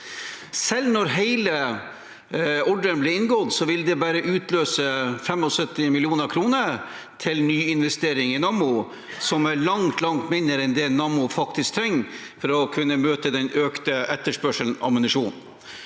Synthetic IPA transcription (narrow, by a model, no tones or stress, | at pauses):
sɛlnɔɾɦeɪlə | ɔɖənblɪɾɪnɡɔd̪sɔʋɪld̪ɛbæːɾəʔʉːt̪løːsəfɛmɔsœt̪ːɪmɪlɪuːnəɾkʰɾuːnə | t̪ʰɪlnyːɪnʋɛst̪eːɾɪŋɪnɑmʊ | sɔmæɭɑŋt̪lɑŋt̪mɪnd̪əɾɛnd̪ɛnɑmʊfɑkt̪ɪskt̪ʰɾɛŋː | fɔɾɔkʰʉnːəmøːt̪əd̪ɛnøːkt̪əʔɛt̪ːəʂpœʂəln̩ɑ̰mənɪʂuːn